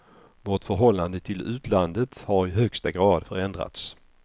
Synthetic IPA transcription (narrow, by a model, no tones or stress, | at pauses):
vɔʈfœɾɦɔlːand̪ət̪ʰɪlʉ̟ːt̪ʰland̪ət̪haɾɪɦœkst̪aɡɾɑːd̪fœɾɛnd̪ɾa̰t̪s